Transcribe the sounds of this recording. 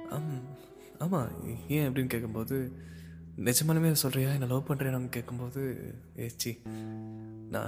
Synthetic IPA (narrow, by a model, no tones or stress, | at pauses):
aːma | aːma̰ːẽːɐpːɐɽɪnːkeːʈkːɯmpoːðɯ | nɛd͡ʒɐmaːlɯmeːsɔlɾɪjaːɛnːɐlɐːpɐɳɾeːnɐŋɡɐkeːʈkːɯmpoːðɯ | eːt͡ʃːi | nã̰ː